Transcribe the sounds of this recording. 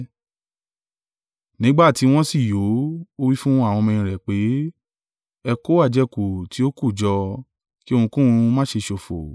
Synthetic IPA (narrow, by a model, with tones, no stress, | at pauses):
nĩ˨˦ɡ͡ba˦˨ti˨˧˦w̃ɔ̃˦si˦˨jo˨˦o˦wi˦fũ˦w̃ɔ̃˦a˦˨w̃ɔ̃˧mĩ˧ĩ˨ɾɛ˨k͡pe˨˦ | ɛ˧ko˦a˦˨d͡ʒɛ˧ku˨ti˨˦o˦ku˦˨d͡ʒɔ˧ | ki˦o˧ũ˧kũ˦ũ˧mã˦ʃe˧ʃo˨fo̰˨